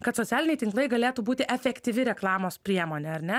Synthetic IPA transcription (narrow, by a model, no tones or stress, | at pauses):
kɐt̪soːæːlʲɪnʲɛɪt̪ʲɪŋklˠɐɪɡɐlʲeːt̪uːbuːt̪ʲɪʔɛfʲɛkt̪ʲiʋʲɪɾʲɛklˠɑːmoːspʲɾʲiɛmoːnʲeːɐɾʲnʲɛ